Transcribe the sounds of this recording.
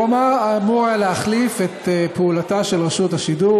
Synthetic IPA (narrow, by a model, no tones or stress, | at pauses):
omaamuʁajaleaχlifet̪epeulataʃelʁeʃuthaʃidu